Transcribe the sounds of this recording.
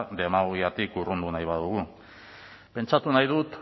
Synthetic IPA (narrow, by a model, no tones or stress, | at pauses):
d̪e̞mauiat̪ikurund̪unajβaðuɣu | pe̞nt͡ʃat̪unajðut̪